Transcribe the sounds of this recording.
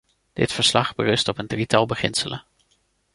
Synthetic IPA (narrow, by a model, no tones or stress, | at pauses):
d̥ɪ̰tfəɹslɑχbə̰rɵstɔpəndritɑlˠbəχɪnsələ